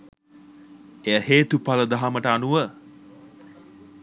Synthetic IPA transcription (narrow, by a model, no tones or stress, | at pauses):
eəheːt̪upaləd̪aɦaməʈəanuʋə